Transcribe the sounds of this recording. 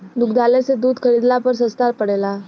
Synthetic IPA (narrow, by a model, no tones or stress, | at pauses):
d̪ʊkʰd̪aːlesed̪uːd̪kʰəɾiːd̪lapəɾs̬ə̃st̪aːɾpəɽeːlaː